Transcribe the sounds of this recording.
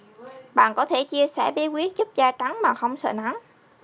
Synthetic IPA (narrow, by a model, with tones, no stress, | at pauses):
ɓa̰ː˧˨nkɔ˨˦t̪ʰe˧˩t͡ɕi˧əsɛ̰˧˥˩ɓi˨˦˥kwi˦˥ət̚zu˦˥p̚zaː˧t͡ɕa˨˦ŋmaː˨˩xə˧wŋ͡msə̰ː˧˨na˨˦m